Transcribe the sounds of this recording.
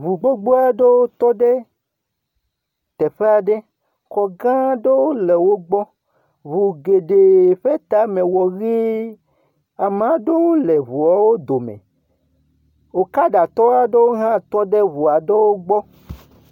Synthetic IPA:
βu˨ɡ͡bo˦ɡ͡bo˦a˦ɖe˦wo˦t̪ɔ˦ɖe˦ | t̪ɛ˨ɸe˦a˨ɖe˦ | kɔ˨ɡã˦ɖe˦wo˦le˨wo˦ɡ͡bɔ˦ | βu˨ɡe˨ɖe˨ɸe˦t̪a˨˦mẽ˨wɔ˨ɣi˦ | a˨mã˨ɖe˦wo˦le˨βu˨ɔ˦wo˦d̪o˨mḛ̃˨ | wo˨ka˦ɖa˨t̪ɔ˦wa˦ɖe˦wo˦ɦã˦t̪ɔ˦ɖe˦βu˨a˨ɖe˦wo˦ɡ͡bɔ˦

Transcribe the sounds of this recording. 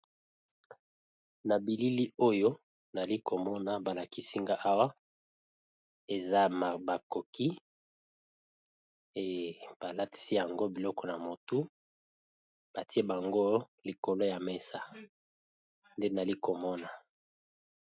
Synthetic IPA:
na˨bi˨li˦li˦o˦jo˦ | na˨li˦ko˨mɔ˦na˨ba˨la˨ki˨si˦ŋɡa˦ʔa˦wa˦ | e˨za˦m˨ba˨ko˨ki˦ | e˨b̥a˨la˦ti̥˨si˦ja˨ŋɡo˦bi˨lɔ˦kɔ˨na˨mo˨tu˦ | b̥a˨ti˦e˦ba˨ŋɡo˦ | li˨ko˨lo˦ja˨me˦sa˨ | nde˦na˨li˦ko˨mɔ˦na˨

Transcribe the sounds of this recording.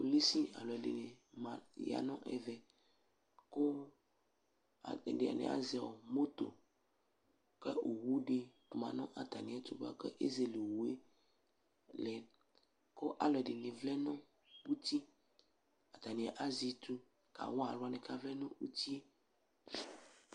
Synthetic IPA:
o˨li˦si˦a̰˨lɔ˨ɛ˨dḛ˨ne˨mã˨ja̰˨nɔ̃˦ʔɛ̰˨vɛ˨ | ko˦˨ | ɖe˨a̰˨nɛ̰˨a̰˦zɛ˨ɔ˨mo˦t̪o̰˨ | kɛ˦o˨wu˦ɖe˦ku˨mã̰˨nɔ̃˦ʔa˨t̪a˨nĩ˨ɛ˨t̪u˦ba̰˨kɛ˦ʔe˦ze˨le˨wu˨e˦ | lɛ˨ | ko˦ʔa˨lɔ˨ɛ˨ɖe˨nĩ˨vlɛ˦nɔ̃˦ | u˦t̪i˦ | a˨t̪a˨nĩ˨a˨ʔa˦zi˨t̪u˦ | ka̰˨wɔ̃˦a̰˨lo˨˦a˨nɛ̃˨ka˦vlɛ˦nũ˦u˦t̪i˦

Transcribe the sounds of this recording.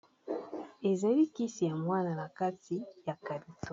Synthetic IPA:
e˨za˨li˦ki˦si˨ja˨mwa˦na˨la˨ka˦ti˨ja˨ka˨li˨tʰo˨

